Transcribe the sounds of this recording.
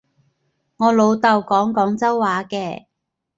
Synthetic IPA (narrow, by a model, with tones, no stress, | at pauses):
ŋɔː˨˧lo˨˧wt̪ɐ˨wkɔː˨˥ŋkɔː˨˥ŋt͡sɐ˥wːaː˨˧˥kɛː˧